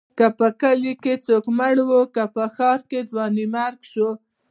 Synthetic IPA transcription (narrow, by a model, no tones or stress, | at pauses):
kapəkəliket͡sokməɽwokapəxɑɾked̪wɑnimaɾɡʃo